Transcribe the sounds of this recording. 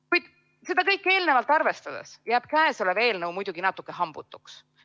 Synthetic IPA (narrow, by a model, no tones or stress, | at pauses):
kujd̪̥ | se̞d̪̥ɑkɤjkːˑe̞ːlnevɑlt̪ˑɑrve̞st̪ɑd̪̥ḛsjæːb̥kæesoleve̞ːlnɤwmujd̪uɡ̥inɑt̪ːˑukːˑeɦɑmb̥ut̪ːˑu̥ks